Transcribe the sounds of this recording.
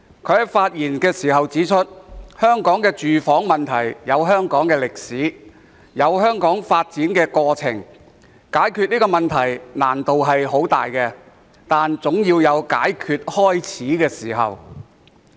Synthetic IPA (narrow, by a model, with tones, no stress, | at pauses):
kʰɵ˨˧˥hɐ˨faː˧t̚jiː˨˩nkɛː˧siː˨˩ɦɐ˨wt͡siː˨˥t͡ʃʰɵ˥t̚hœː˥ŋkɔː˨˥ŋkɛː˧t͡ʃyː˨fɔː˨˥ŋmɐ˨nt̪ʰɐ˨˩jjɐ˨˧wɦœː˥ŋkɔː˨˥ŋkɛː˧lɪ˨k̚siː˨˥ | jɐ˨˧wɦœː˥ŋkɔː˨˥ŋfaː˧t̚t͡siː˨˥nkɛː˧kɔː˧t͡sʰɪ˨˩ŋ | kaː˨˥jkʰyː˨˧t̚niː˥kɔː˧mɐ˨nt̪ʰɐ˨˩jna̰ː˨˩nt̪o˨wɦɐ˨jɦo˨˥wt̪a̰ː˨jkɛː˧ | t̪aː˨nt͡sʊ˨˥ŋjiː˧wjɐ˨˧wkaː˨˥jkʰyː˨˧t̚hɔː˥jt͡sʰiː˨˥kɛː˧siː˨˩ɦɐ̰˨˩w